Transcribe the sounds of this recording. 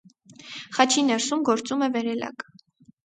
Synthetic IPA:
χɑt͡ʃʰinɛɾsumɡɔɾt͡sumɛvɛɾɛlɑ̰k

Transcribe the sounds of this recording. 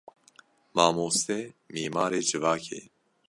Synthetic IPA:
mɑːmoːst̪ɛmiːmaːɾeːd͡ʒɨvɑːkʰḛː

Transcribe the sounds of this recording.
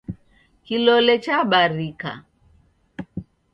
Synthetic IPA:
kilɔlɛt͡ʃaɓaɾika̰

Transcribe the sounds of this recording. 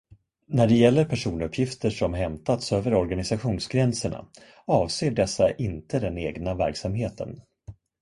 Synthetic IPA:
næɖɛjɛlːəɾpʰæʂuːnɵpʰjɪft̪əʂɔmɦɛmt̪at̪søːvəɾɔɾɡanɪsaɧuːnsɡɾɛnsəɳa̰ | ɑːvseːɖɛsːaʔɪnt̪ʰəd̪ɛneːɡnavæɾksamheːt̪ʰə̰n

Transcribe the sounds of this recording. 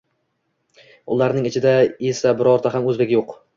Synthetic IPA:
ʊlˠaɾnɪŋɪt͡ʃʰɪd̪aesabɪɾɒɾt̪ʰaɦamɵzbekʲjoq

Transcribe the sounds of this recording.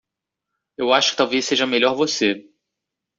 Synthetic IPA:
ewaʃʊkɪ̥t̪awvesːeʒɐmeʎɔɾvose

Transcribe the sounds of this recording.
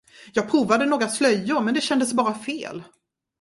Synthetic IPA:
jɑːɡ̚pʰɾuːvad̪ənoːɡɾaslœjːʊɾmɛnd̪ɛɕɛnd̪əsbɑːɾafḛːl

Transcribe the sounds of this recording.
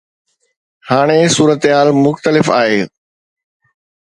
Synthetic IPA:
haːɽ̃esuːɾət̪ɦaːlmʊxt̪əlɪfa̰ːɦeː

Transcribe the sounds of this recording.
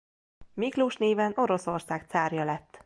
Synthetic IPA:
mikluʃneːvɛno̞ɾo̞so̞rsaːkt̪saːrjɒlɛt̪ː

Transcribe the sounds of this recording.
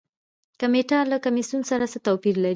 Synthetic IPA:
kameʈalakamisunsaɾasət̪apiɾlaɾi

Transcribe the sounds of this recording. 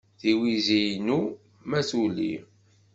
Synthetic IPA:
θiwizijnu | mæθulḭ

